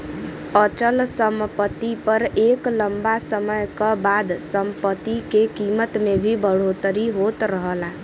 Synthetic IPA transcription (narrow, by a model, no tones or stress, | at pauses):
ət͡ʃəlsəmpət̪ipəɾekləmbasəməjkəbad̪səmpət̪ikekimət̪mebʱibəɽ̤ot̪əɾiɦot̪ɾəɦəla